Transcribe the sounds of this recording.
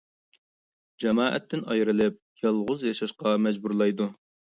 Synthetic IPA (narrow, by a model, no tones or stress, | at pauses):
d͡ʒɛmɑːʔɛ̰t̪ʰːɪnɑjɾɨlˠɪp̚jɑlˠʁʊzjɑʃɑʃqɑmɛd͡ʒbuɾlˠɑjd̪u